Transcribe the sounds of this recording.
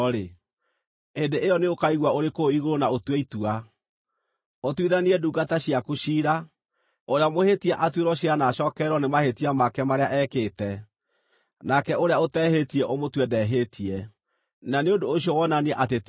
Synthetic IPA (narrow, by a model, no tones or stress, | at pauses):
ɾe | endeʔejɔneokaiɣwaoɾekooiɣoɾonaotweitua | otwiðaniɛduːɡataɕiakoɕiːɾa | oɾeamohetiaʔatweɾɔɕianaʃɔkɛɾɔnemahetiamakɛmaɾeaʔɛkeːtɛ | nakɛoɾeaotɛhetiɛʔomotwɛdɛɦetʰiɛ | naneodoːɕjɔwɔnaniɛʔatet